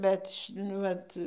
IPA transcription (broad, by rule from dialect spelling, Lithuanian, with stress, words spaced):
ˈbʲɛt nʊ ˈʋɐt